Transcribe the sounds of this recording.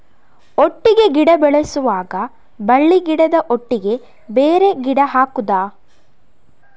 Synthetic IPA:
oʈːiɡe̞ɡiɽɐbɛɭɐsuʋaːɡɐ | bɐɭːiɡiɽɐd̪ɐʔoʈːiɡe̞ | beːɾe̞ɡiɽɐɦaːkud̪aː

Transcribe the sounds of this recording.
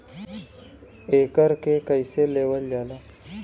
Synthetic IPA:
ekəɾkekəjseleʋəldala

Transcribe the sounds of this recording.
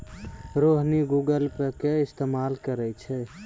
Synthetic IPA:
ɾoɦniɡuɡəlpəkeɪst̪emalkəɾɛt͡ʃʰɛ

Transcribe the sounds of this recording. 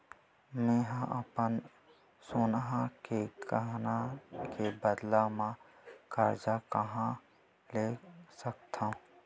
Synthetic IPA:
mɛ̃ːɦãʔəpən | soːnɦãkekəɦnakebəd̪lamã | kəɾd͡ʒakəɦã | leːsəkt̪ʰã

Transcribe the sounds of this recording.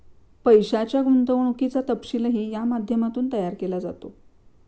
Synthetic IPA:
pəjɕat͡ɕjaɡunt̪əʋəɳ̃ukit͡sat̪əpɕiləɦiːjamad̪ʱjəmat̪uːnt̪əjaɾkelad͡za̰t̪o

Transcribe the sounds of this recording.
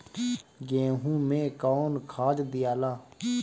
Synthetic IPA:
ɡẽːɦũːmẽkɔːnkʰaːd͡ʒd̪ɪjaːlaː

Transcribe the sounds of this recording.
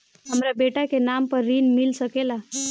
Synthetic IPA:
ɦəmɾabeːʈakenampəɾːiːnmɪlsəkela

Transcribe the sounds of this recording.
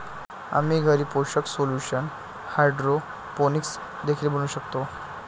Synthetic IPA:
a̰miːɡʱəɾiːpoɕəksoluɕən | hajɖɾo | poniks | d̪ekʰiːlbəñuːɕəkt̪o

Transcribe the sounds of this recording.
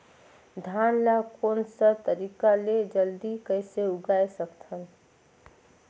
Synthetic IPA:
d̪ʱanlakonsət̪əɾikaled͡ʒəld̪ikəɪseuɡaesəkt̪ʰən

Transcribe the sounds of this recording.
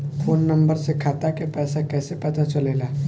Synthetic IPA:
fʰoːnːɐ̃mbəɾsekʰaːt̪akepɛːsakɛːsepɐt̪at͡ʃɐleːlaː

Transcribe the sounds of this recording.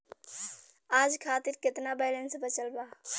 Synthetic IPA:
aːd͡ʒkʰaːt̪iɾkɪt̪nabɛːlənsbət͡ʃəlba

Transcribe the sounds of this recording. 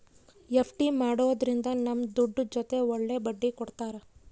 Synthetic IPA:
epʰʈimaːɽoːd̪ɾind̪ɐnɐmd̪uɖːud͡ʒɔt̪e̞ɔɭːe̞bɐɖːikɔɽt̪aːɾe

